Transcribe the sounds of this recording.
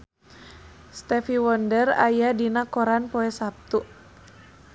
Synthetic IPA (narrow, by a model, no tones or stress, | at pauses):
st̪ɛfiwɔndəra̰jadinakɔɾanpɔɛsap̚t̪uʔ